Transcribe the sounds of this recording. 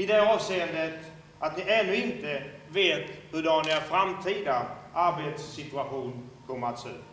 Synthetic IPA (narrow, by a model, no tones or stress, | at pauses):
ɪd̪ɛɑːvseːənd̪ət̪ | ʔat̪nɪʔɛnːʊɪnt̪əveːt̪hɵd̪ɑnafɾamt̪ʰiːd̪avʔaɾbet̪sːɪt̪ʉaɧuːnkʰɔmːəat̪sø̰ː